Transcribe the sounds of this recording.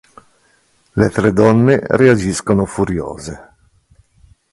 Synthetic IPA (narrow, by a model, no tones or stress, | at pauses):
let̪ɾed̪ɔnːeread͡ʒiskonofuɾjo̰ːze